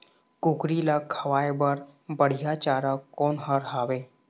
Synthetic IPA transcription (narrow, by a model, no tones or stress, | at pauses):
kukɾilakʰəʋajbəɾbəɽ̤jat͡ɕaɾakːɔnɦəɾɦaʋe